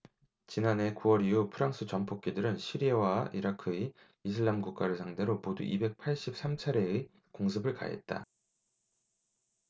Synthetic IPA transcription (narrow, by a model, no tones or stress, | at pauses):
t͡ɕinane̞kuwʌɾijupʰɯɾaŋs͈ʰɯt͡ɕʌmpʰok͈̚idɯɾɯnɕʰiɾiewaʔiɾakʰɯi | isʰɯɭːamɡuk̚k͈aɾɯɭsʰaŋde̞ɾomodṵʔibe̞k̚pʰaɭɕ͈ip̚s͈amt͡ɕʰaɾe̞ɯ | koŋsʰɯbɯɭka̰e̞̰t̚t͈a̰